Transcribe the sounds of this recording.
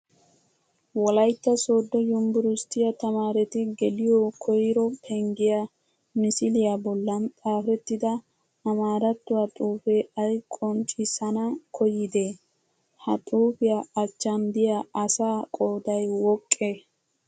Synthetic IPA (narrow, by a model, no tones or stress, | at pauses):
wɔlɐjt̪ːɐsoːd̪ːɔjʊmbʊɾʊst̪ːɪjɐt̪ɐmaːɾɛt̪ɪɡɛlɪjokʰɔjɪɾɔpʰɛŋɡɪja | mɪsɪlɪjabɔlːɐnt̪ʼaːfɛt̪ːɪd̪ɐː | maːɾɐt̪ːʊwɐt̪ʼuːfɛɐjkʼɔnt͡ʃʼɪsɐnɐkʰɔjɪd̪e | hɐt̪ʼuːfɪjaɐt͡ʃːɐnd̪ɪjaʔɐsaːkʼoːd̪ɐjwɔkʼːe